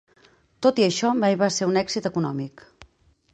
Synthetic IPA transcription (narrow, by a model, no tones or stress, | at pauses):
t̪ot̪iəʃɔβaiβaseunɛɡzit̪əkunɔmik